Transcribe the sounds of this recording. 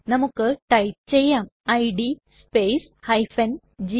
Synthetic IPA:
nɐmukːɨʈɐjp̚t͡ɕejːaːmɐjɖi | speːs | hɐjfɐn | d͡ʑi

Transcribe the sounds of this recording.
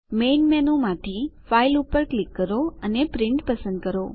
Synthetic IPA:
menmɛnõmãʈ̪ʰifailupəɾklikːəɾoənepɾɪɳʈpəsə̃nd̪̚kəɾo

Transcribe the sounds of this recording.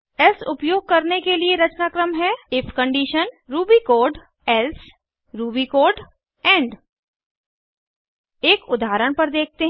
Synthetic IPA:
ɛlsʊpjoːɡ̚kɐɾnekelieɾɐt͡ʃnaːkɾəmɦɛɪfʰkə̃ɳɖiːʃənɾuːbikoːɾɖ | ɛls | ɾuːbikoːɾɖ | ɛ̃ːɳɖ | eːkʊd̪aːɾəɽ̃pɐɾd̪eːk̚ʰt̪eɦ

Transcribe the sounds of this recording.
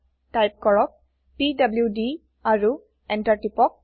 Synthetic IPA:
tajp̚kɔɹɔk̚ | pidabljudi | aɹu | ɛntaɹʈipɔk̚

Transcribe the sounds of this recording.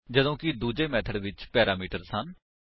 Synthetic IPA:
d͡ʒəd̪õːkid̪uːd͡ʒeːmɛːt̪ʰəɽʋɪt͡ʃpɛːɾaːmiːʈəɾsən

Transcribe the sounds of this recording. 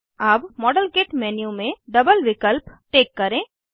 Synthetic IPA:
aːpmɔːɖəlɡeːʈmɛːnijumẽɖɐbəlʋɪkəlpʈeːkːɐɾẽː

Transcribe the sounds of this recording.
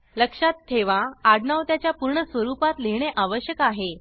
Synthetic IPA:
ləkʂat̪ʰːeʋaːɽɳaʋt̪jat͡ɕjapuɾɳəsʋəɾupat̪leɦɳeʔaʋəɕjəkaɦe

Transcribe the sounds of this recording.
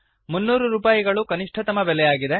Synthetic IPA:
munːuːɾuɾuːpaːjiɡɐɭukɐniʂʈʰɐt̪ɐmɐbɛlɛjaːɡid̪e

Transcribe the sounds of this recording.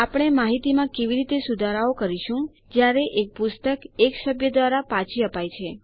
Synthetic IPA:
apəɽ̃emaɦit̪imãkeʋiɾit̪esud̪ʱaɾaokəɾiʃũ | d͡ʒjaɾeʔek̚pʊst̪əkeksəbʱjəd̪ʋaɾapãt͡ʃʰiəpajt͡ʃʰe

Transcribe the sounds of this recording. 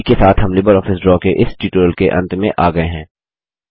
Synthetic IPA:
kesaːt̪ʰɦɐmlɪbəɾɔːfɪsɖɾɔːkeʔɪsʈiːʈuːɾəlkeʔɐ̃nt̪mẽʔaːɡɐeɦɛ̃ː

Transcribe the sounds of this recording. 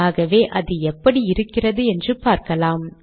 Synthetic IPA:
aːɣɐʋeːʔɐðɯɛpːɐɽiɪɾɯkːɪrɐðɯɛndrɯpaːɾkɐlaːm

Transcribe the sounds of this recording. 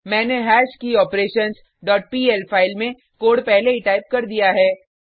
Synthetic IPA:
mɛ̃ːneɦɛːʃkiɔːpɾeːʃəns | ɖɔːʈ̚piːɛlpʰaːɪlmẽ | koːɽpɛɦleiʈaːɪp̚kɐɾd̪ijaɦɛː

